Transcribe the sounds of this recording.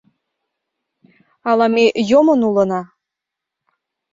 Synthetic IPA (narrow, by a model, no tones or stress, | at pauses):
ɑlˠɑmejomɤ̆nulɤ̆nɑ